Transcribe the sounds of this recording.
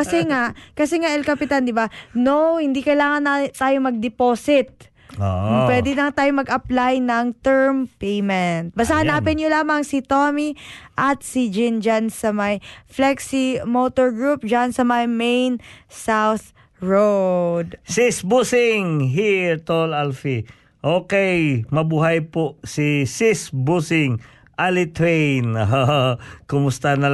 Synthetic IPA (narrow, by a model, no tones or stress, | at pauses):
kɐsɛŋaʔkɐsɛŋaʔɛlkɐpɪt̪and̪ɪbanowhɪnd̪ikɐjlaːŋɐnat̪aːjomɐɡ̚d̪ɛpoːsɪt̪̚ | o̰ʊwɛd̪ɪlɐŋt̪aːjomɐɡɐplajnɐŋt̪ɛɹmpejmɛnt̪̚bɐsahɐnaːpɪnjolaːmɐŋsɪt̪omiʔɐt̪̚sid͡ʒɪnd͡ʒansɐmɐjflɛksimot̪oɹɡɹup̚d͡ʒansɐmɐjmejnsawθ | ɹod̪sɪsbusɪŋɦiɹt̪olalfi | ʔoːkɛjmɐbuːɦajpoʔsisisbusɪŋ | ʔalɪt̪wɛjnɦokʊmʊst̪anɐ